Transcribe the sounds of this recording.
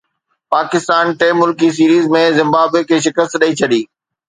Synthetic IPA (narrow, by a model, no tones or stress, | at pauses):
paːkɪst̪aːnʈeːmːʊlkis̬iːɾiːzmẽzɪ̃mbaːbekʰeːʃ̬ɪkəst̪ɗəit͡ɕʰɐɗiː